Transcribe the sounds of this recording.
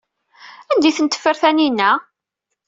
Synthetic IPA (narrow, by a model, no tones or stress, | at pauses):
ænd̪iθənt̪ə̥fːəɾθæninːæ